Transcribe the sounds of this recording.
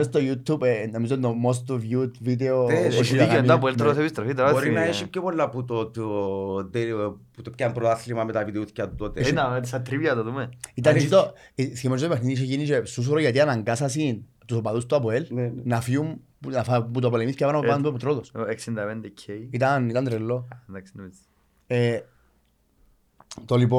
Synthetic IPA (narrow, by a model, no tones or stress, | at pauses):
est̪ojut̪ubenomizot̪omos̬t̪ovjut̪vid̪eooiid̪oɐpelt̪ɾosepist̪ɾofit̪ɾboɾinɐeʃipopolːaput̪ot̪ | d̪eput̪opcampɾot̪aθlimɐmet̪avid̪euθcɐt̪ut̪ot̪esɐt̪ɾivjɐt̪oðumeit̪ɐd͡ʒit̪o | sçimod͡ʒit̪opexnit̪iʃ̬eʝiniʃesus̬oɾoʝat̪̬ianaŋɡasɐsin | t̪usopaðust̪uapoelnenɐfium | nafaput̪̬opolemiskepanapopand̪upot̪ɾoðoseksind̪ɐpend̪ecʰːejit̪ɐnit̪ɐnd̪ɾelːonaksini̥ | e | t̪olip̬o